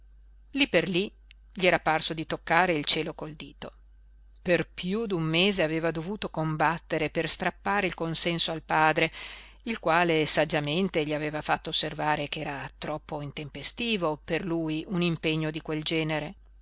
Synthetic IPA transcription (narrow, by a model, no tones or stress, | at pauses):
lipːerli | ʎiɛːɾaparsod̪it̪okːaːɾeilt͡ʃɛːlokold̪iːt̪o | perpjud̪umːeːzeaveːvad̪ovuːt̪okombat̪ːeɾeperst̪ɾapːaːɾeilkonsɛnsoalpaːd̪ɾe | ilkwaːlesad͡ʒːament̪eʎiaveːvafat̪ːoːsːervaːɾekɛːɾat̪ɾɔpːoint̪empest̪iːvoperluːjunimpeɲːod̪ikweld͡ʒɛːneɾe